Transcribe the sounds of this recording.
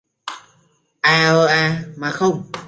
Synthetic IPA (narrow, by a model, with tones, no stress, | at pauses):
ʔaː˧ʔəː˧ʔaː˧maː˨˩xə˧wŋ͡m